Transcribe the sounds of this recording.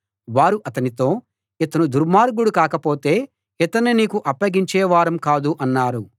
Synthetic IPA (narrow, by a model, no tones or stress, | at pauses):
ʋaːɾuʔɐt̪ɐnit̪o̞ː | ɛt̪ɐnud̪uɾmaːɾɡuɽukaːkɐpo̞ːt̪e̞ː | ɛt̪ɐnːiniːkuʔɐpːɐɡiɲt͡ʃɛːʋaːɾɐmkaːd̪uʔɐnːaːɾu